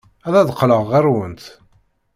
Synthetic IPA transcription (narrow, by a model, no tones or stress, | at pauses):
æðæðqːləʁːæɾwənt̪